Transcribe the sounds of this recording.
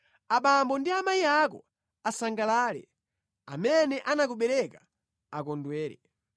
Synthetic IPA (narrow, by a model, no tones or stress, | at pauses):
aɓambɔndiamaiakɔ̰ | asaŋɡalaːlɛ̰ | a̰mɛnɛʔanakuɓɛɾɛka | akɔndwɛːɾɛ̰